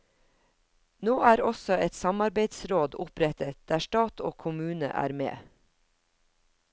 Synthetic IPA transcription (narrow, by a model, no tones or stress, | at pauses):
noːæːɾɔsɔɛt̪sɑmɑɾbeɪd̪sɾoːd̪ʊpɾɛt̪ət̪̚d̪̥æːʃtɑːt̪ʰo̰ːkʰʊmʉːnə̰ʔæ̰ːɾmḛː